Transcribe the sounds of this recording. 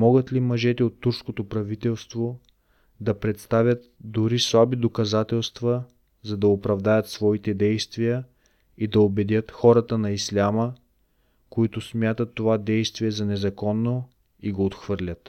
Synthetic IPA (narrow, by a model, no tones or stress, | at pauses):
mɔɡət̪limɐʒɛt̪ɛot̪ːuɾskot̪opɾɐvit̪ɛlˠst̪vo | d̪ɐpɾɛt̪st̪avʲjət̪̚d̪uɾislˠabid̪okɐzat̪ɛlˠst̪vɐ | zɐd̪ɐopɾɐvd̪ajət̪svɔit̪ɛd̪ɛjst̪vijə | id̪ɐobɛd̪ʲjət̪xɔɾɐt̪ənɐislʲamə | koit̪ʊsmʲjat̪ət̪ːovad̪ɛjst̪viɛzɐnɛzɐkɔnːo | iɡoːt̪xvɤɾlʲət̪